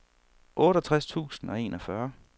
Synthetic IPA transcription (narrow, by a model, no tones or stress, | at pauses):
ʔɔ̽ːɾ̥ɒt͡sʰʁast͡sʰṵːsn̩ɒ̽e̝̰ːnʔɒfɶɐ